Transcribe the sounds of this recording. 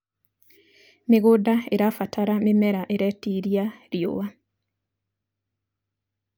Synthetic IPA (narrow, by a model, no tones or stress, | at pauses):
meɣodaeɾafatʰaɾamemɛɾaʔeɾɛtiɾiaɾio̰wa